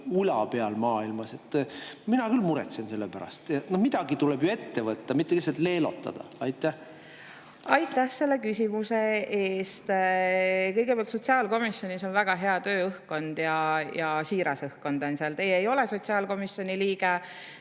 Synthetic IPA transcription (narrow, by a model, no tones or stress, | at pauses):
ulɑ̰pe̞ɑlmɑːilmɑse̞t̪ːminɑkylmuɾɛt̪sense̞lːepæɾɑ̰st̪jɑnohmid̪̥ɑɡ̥it̪ulɛb̥joe̞t̪ːe̞vɤt̪ːɑmit̪ːelihs̬ɑlt̪le̞ːlo̞̰t̪ˑːɑ̰d̪̥ɑ̰ɑjt̪ˑːæh | ɑjt̪ːˑæhse̞lːe̞kysʲimuseeːst̪ | kɤjɡ̥epæɑlt̪so̞t̪ʲsiɑːlko̞misjo̞nʲiso̞nvæɡ̥ɑɦe̞ɑt̪ø̞ːɤhkːo̞nd̪̥jɑjɑsiːɾɑsɤhkːo̞nd̪̥onseɑlt̪e̞jeːjo̞leso̞t̪ʲsiɑːlko̞misjo̞nʲiliːɡe